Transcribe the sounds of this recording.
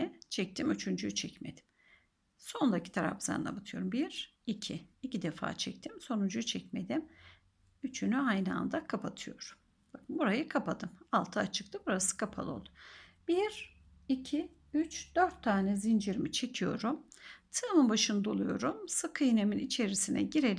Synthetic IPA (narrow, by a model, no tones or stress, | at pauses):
ɛt͡ʃʰɛc̚t̪ʰimyt͡ʃʰynd͡ʒyt͡ʃʰɛcme̞̰d̪i̥m | so̞nˠacʰi̥t̪ʰaɾa̰pza̰nnˠa̰bat̪ʰɯjo̞ɾumbiɾ | icʰiːcʰid̪efa̰ːt͡ʃʰɛct̪ʰimso̞nund͡ʒut͡ʃʰɛcme̞d̪im | yt͡ʃʰynyajnɯa̰nd̪akʰapʰat̪ʰɯjo̞̰ɾum | b̥aknbuɾajɯkʰapʰad̪ɯmalˠt̪ʰɯat͡ʃʰɯk̚t̪ʰɯbuɾasɯ̥kʰapʰa̰lˠo̞̰lˠd̪ub̥iɾ | icʰi | yt͡ʃd̪̥øɾt̪ʰːaːnɛzind͡ʒiɾmit͡ʃʰe̞cʰijo̞̰ɾumt̪ʰɯmɯnbaʃɯnɯd̪olˠujo̞̰ɾumsɯkʰɯineminit͡ʃʰe̞ɾisinɛ̰ɟiɾel